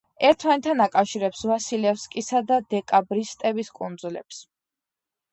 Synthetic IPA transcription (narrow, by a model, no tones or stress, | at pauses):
ɛɾt̪ʰmanɛt̪ʰːanakʼafʃiɾɛpsvasilɛfskʼisad̪ad̪ɛkʼabɾist̪ʼɛbiskʼund̪zulɛ̰ps